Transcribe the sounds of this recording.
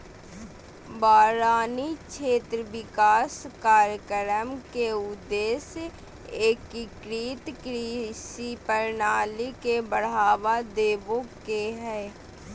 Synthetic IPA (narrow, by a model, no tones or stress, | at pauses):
baːɾaːnit͡ʃʰeːt̪ɾəʋɪkaːskaːɾjəkəɾəmkeʊd̪eːs | eːkːikɾiːt̪kɾisipəɾnaːlikebəɽ̤aːʋad̪eːbõkeɦɛː